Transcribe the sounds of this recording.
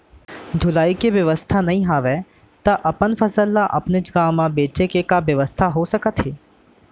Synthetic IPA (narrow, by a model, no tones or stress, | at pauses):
d̪ʱʊlaːikeʋjɐʋəst̪ʰanɐɦĩɦaːʋe | t̪ɐʔɐpənfɐsəlːaʔɐpned͡ʒɡaːmãbeːt͡ʃekekabjɐʋəst̪ʰaɦosɐkət̪ɦeː